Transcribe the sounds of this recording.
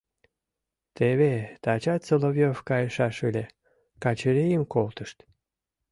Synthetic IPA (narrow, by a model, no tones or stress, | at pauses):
t̪eβet̪ɑt͡ɕɑt̪selovʲjofkɑjəʃɑʃɨlʲe | kɑt͡ɕəɾejəmkolt̪əʃt̪